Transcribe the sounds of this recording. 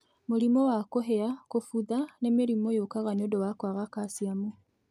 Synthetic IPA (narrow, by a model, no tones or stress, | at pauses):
moɾimɔwakoɦɛakofuðanemeɾimojokaɣanodɔwakwaɣakasiamo